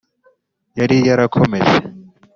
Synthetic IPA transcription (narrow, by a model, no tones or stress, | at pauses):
jaɾijaɾakʰomḛʒe